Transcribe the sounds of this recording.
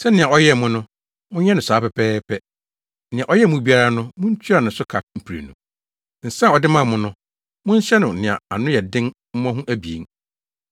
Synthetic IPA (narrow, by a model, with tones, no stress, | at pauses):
sɛ˦nɪ̃˨ã˨ɔ˦jɛ˦˨mʊ̃˦nʊ̃˦ | mʊ̃˦ɲɛ̃˦nʊ̃˨saː˨˦pɛ˨pʰɛː˦pʰɛ˦ | nɪ̃˨ã˨ʔɔ˦jɛ˦˨mʊ̃˦bi˦a˦ɾa˦nʊ̃˦mʊ̃˦ɲ̩˦t͡ɕʰᶣi˦a˨nʊ̃˨sʊ˦kʰa˨m̩˨pʰi˨ɾḛ˨nṵ̃˨ | n̩˨sɛ˦˨ɔ˨dɪ˦mã˦˨mʊ̃˦nʊ̃˦ | mʊ̃˦ɲ̩˦ɕɛ˦nʊ̃˨nɪ̃˨a̰˨a˨nʊ̃˦jɛ˨dɪ̃˦ŋ | m̩˦m̃˦ã˦ɦũ˦ʔæ˦bi˨ḛ˨ŋ